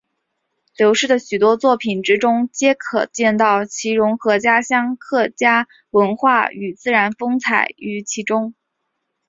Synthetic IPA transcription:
ljo˧˥ʊʂɻ̩˥˩d̪ə˩ɕy˨˩t̪wɔ˥t͡swɔ˥˩pʰi˨˩nʈ͡ʂɻ̩˥ʈ͡ʂʊ˥ŋt͡ɕjɛ˥kʰɤ̰˨˩t͡ɕjɛ˥˧nt̪ɑ˥˩ʊt͡ɕʰi˧˥ɻʊ˧˥ŋxɤ˧˥t͡ɕja˥ɕjɑ˥ŋkʰɤ˥˩t͡ɕja˥ | wə˧˥nxwa˥˩y˨˩t͡sɹ̩˥˩ɻa˧˥nfɤ˥ŋt͡sʰa˨˩ɪy˧˥t͡ɕʰi˧˥ʈ͡ʂʊ˥ŋ

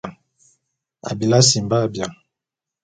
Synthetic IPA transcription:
a̰˨bi˨la˦s̬i˨mba˦˨bja˨

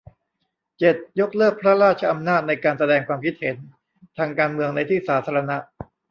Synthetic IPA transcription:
t͡ɕe˨˩t̪̚jo˦˥k̚lɤː˥˩k̚pʰɾa˦˥ɾaː˥˩t̪̚t͡ɕʰa˧ʔa˧mnaː˥˩t̪̚na˧jkaː˧nsa˧dɛː˧ŋkʰwaː˧mkʰi˦˥t̪̚he˩˦n | t̪ʰaː˧ŋkaː˧nmɯ˧əŋna˧jt̪ʰiː˥˩saː˩˦t̪ʰaː˧ɾa˧na˦˥ʔ

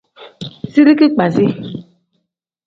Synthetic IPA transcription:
si˦ɾi˦ki˦k͡pa˨zi˦

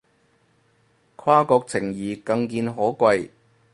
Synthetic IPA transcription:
kʷʰwaː˥kɔː˧k̚t͡sʰɪ˨˩ŋjiː˨˩kɐ˧ŋkiː˧nɦɔː˨˥kʷɐ˧j

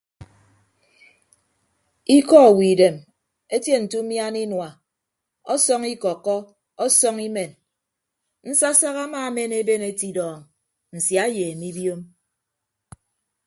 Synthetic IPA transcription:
i˦kɔ˦˨wi˨de˨m | e˦tje˦n̩˨tu˦mja˦ni˦nwa˨ | ɔ˦sɔ˦ŋi˦kɔ˨kːɔ˦ | ɔ˦sɔ˦ŋi˦me˨n | n̩˦sa˦sa˦ɣa˦maː˦˨me˦ne˦be˦ne˦ti˨dɔː˨ŋ | n̩˨sja˨˦jeː˨mi˦bjo˦m

